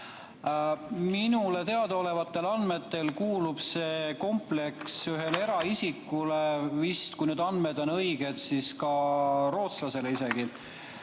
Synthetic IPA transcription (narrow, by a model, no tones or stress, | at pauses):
minule̞t̪e̞ɑd̪o̞le̞vɑt̪ˑːe̞lɑnd̪me̞t̪ːe̞lkuːlub̥se̞ko̞mple̞ksyɦe̞le̞ɾɑisikːulevist̪kujnyd̪ɑnd̪med̪o̞nɤjɡ̥e̞d̪̥siskɑro̞ːt̪slɑse̞leise̞ɡ̥i